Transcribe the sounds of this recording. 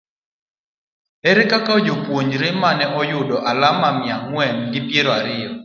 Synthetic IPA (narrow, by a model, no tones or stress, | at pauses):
ɛɾekakaod͡ʒopwoɲɾemanɛʔɔjʊdɔʔalamamɪaŋwɛnɡɪpjeɾɔaɾɪɔ